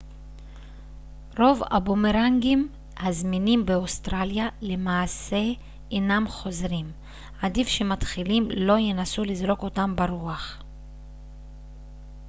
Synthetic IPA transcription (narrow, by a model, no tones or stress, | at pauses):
ɾo̞va̰bomeɾaŋɡim | hazminimbeost̪ɾaljale̞maːse̞ | enamχo̞zɾim | ad̪ifʃemat̪χilimlo̞jenasulizʁo̞ko̞tambaɾuaχ